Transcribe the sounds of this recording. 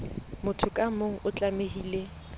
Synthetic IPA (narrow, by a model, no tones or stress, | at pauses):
mʊtʰʊkʼamoŋ̩ʔʊt͡ɬʼameɦiːle